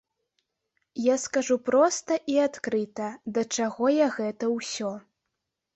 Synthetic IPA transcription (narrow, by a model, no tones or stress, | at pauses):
jaskaʐupɾɔst̪ɐʔiat̪kɾɨt̪ɐd̪ɐt͡ʂaɣɔjaɣɛt̪ɐwsʲɔ